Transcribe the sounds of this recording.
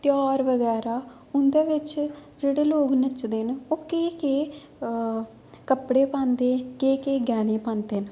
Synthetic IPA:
t̪jaːɾʋəɡɛːɾaː | ʊnd̪eːʋɪt͡ʃd͡ʒeːɽeːloːknət͡ʃd̪eːnoːkeːkeː | kəpɽeːpãːnd̪eːkeːkeːɡɛːneːpãːnd̪eːn

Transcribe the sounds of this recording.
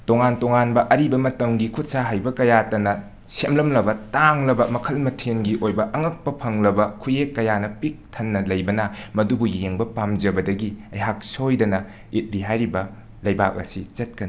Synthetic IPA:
toŋantoŋanbɐʔɐɾibɐmɐtɐŋɡikʰut̚saɦajbɐkɐjatɐnɐ | semlɐmlɐbɐtaŋlɐbɐmɐkʰɐlmɐtʰenɡiʔojbɐʔɐŋɐk̚pɐpʰɐŋlɐbɐkʰujekːɐjanɐpik̚tʰɐnːɐlɐjbɐnɐmɐdubujeŋbɐpamd͡ʒɐbɐdɐɡiɐjɦak̚sojdɐnɐ | it̚liɦajɾibɐ | lɐjba̰k̚ɐ̰sit͡ʃɐt̚kɐni

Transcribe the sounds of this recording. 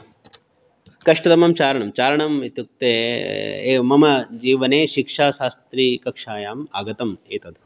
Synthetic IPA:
kɐʂʈɐt̪ɐmɐmt͡ʃaːɾɐɳɐmt͡ʃaːɾɐɳɐmit̪juk̚t̪ḛː | mɐmɐd͡ʒiːʋɐneːʃikʂaːʃaːst̪ɾiːkɐkʂaːjaːmaːɡɐt̪ɐmeːt̪ɐd̪ʱ

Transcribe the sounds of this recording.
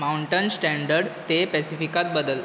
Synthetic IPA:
mauɳʈənsʈæ̃ɳɖəɾɖt̪epɛsifikat̪̚bəd̪əl

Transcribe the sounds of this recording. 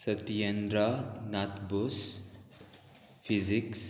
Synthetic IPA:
sʌt̪ijend̪ɾʌnat̪bus | pʰiziks

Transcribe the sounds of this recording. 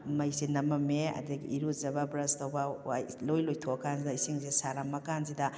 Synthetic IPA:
mɐjsinɐmɐmeɐ̰diɡḭiɾuzɐbɐbɾɐstɐwbɐalojlojtʰoɐkanzidɐisiŋzesaɾamɐkanzidɐ

